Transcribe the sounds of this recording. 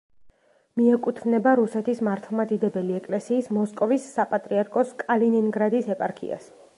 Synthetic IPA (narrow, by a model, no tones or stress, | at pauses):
miɛkʼut̪ʰvnɛbaɾusɛt̪ʰismaɾt̪ʰlˠmad̪id̪ɛbɛliɛkʼlɛsiːsmɔskʼɔvisːapʼat̪ʼɾiaɾkʼɔskʼalininɡɾad̪isɛpʼaɾkʰḭa̰s